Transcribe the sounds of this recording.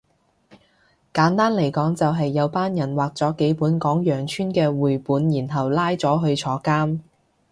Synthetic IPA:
kaː˨˥nt̪aː˥nle˨˩jkɔː˨˥ŋt͡sɐ˨wɦɐ˨jːɐ˨˧wpaː˥njɐ˨˩nwaː˨k̚t͡sɔː˨˥ke˨˥jpuː˨˥nkɔː˨˥ŋjœː˨˩ŋt͡ʃʰyː˥nkɛː˧wuː˨jpuː˨˥njiː˨˩nɦɐ˨wlaː˥jt͡sɔː˨˥ɦɵ˧ɥt͡sʰɔː˨˥kaː˥m

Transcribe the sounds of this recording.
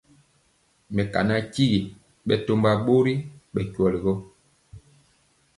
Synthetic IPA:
mɛ˨ka̰˨na˦ci˦ɣi˨ | ɓɛ˦to˦mba˦ɓo˦ɾi˦ɓɛ˨kwɔ˨li˨ɡɔ˦

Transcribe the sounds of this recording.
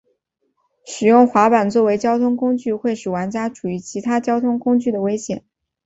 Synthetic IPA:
ʂɻ̩˨˩jʊ˥˩ŋxwa˧˥pa˨˩nt͡swɔ˥˩we˧˥ɪt͡ɕjɑ˥ʊt̪ʰʊ˥ŋkʊ˥ŋt͡ɕy˥˧xwe˥˩ɪʂɻ̩˨˩wa˧˥nt͡ɕja˥ʈ͡ʂʰu˨˩y˧˥t͡ɕʰi˧˥t̪ʰa˥t͡ɕjɑ˥ʊt̪ʰʊ˥ŋkʊ˥ŋt͡ɕy˥˩d̪ə˩we˥ɪɕjɛ˨˩˦n

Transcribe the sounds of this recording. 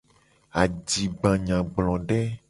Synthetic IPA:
a˨d͡ʒi˨ɡ͡bã˨ɲã˨ɡ͡blɔ̃˨ɖɛ˦

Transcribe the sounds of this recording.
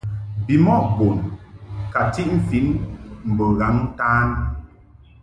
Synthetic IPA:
bi˨mɔ˦˨ʔbo˨nka˨ti˦ʔm̩˨fi˦nm̩˨bə˨ɣa˨˦ŋ˦taː˦n

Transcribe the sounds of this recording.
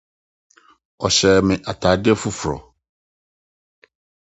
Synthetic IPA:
ɔ˨ɕɛ˨mɪ̃˨ʔa˨tʰaː˨dɪ˦ɛ˦fu˦fɾɔ̰˨

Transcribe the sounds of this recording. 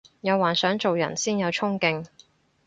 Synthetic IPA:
jɐ˨˧waː˨˩nsœː˨˥ŋt͡so˨wjɐ̰˨˩nsiː˥njɐ˨˧wt͡ʃʰʊ˥ŋkɪ˧ŋ

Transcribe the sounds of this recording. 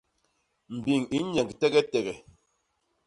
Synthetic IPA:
m̩˨bi˨ŋi˦ɲɛ˨ŋɡtɛ˦ɡɛ˦tɛ˨ɡɛ˨

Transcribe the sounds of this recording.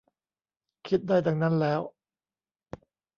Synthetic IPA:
kʰi˦t̪̚daː˥˩jda˨˧ŋna˦˥nlɛː˦˥w

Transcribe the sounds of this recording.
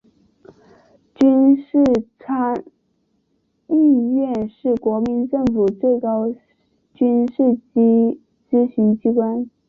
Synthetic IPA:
t͡ɕy˥nʂɻ̩˥˩t͡sʰa˥ŋ | i˥˧ɥɛ˥˧nʂɻ̩˥˩kwɔ˧˥mi˧˥nʈ͡ʂɤ˥˩ŋfu˨˩t͡swe˥˩ɪkɑ˥ʊ | t͡ɕy˥nʂɻ̩˥˩t͡ɕi˥ | t͡sɹ̩˥ɕy˧˥ŋt͡ɕi˥kwa˥n

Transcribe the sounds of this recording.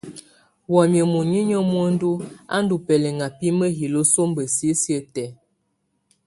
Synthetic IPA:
wɔ˨mjə˨mu˨ɲi˦ɲə˦mwo˦n̩˦du˦a̰˦n˦du˨pɛ˨lɛ˨ŋa˨pi˦mə˦ɦi˨lo˦so˦mbə˨si˦sjə˦tɛ˨˦

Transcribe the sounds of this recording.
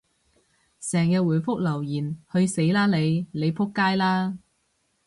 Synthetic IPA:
sɛː˨˩ŋkɛː˧wuː˨˩jfʊ˥k̚lɐ˨˩wjiː˨˩nhɵ˧ɥse˨˥jlaː˥le˨˧jle˨˧jpʰʊ˥kːaː˥jlaː˥

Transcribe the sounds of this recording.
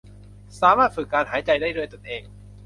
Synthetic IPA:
saː˩˦maː˥˩t̪̚fɯ˨˩kːaː˧nɦaː˩˦jt͡ɕa˧jdaː˥˩jdɯ˥˩jt̪o˧nʔeː˧ŋ

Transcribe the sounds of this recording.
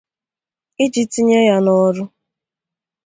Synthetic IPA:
ɪ˦d͡ʒi˨ti˦ɲe˦ja˦nɔ˦ɾʊ˦

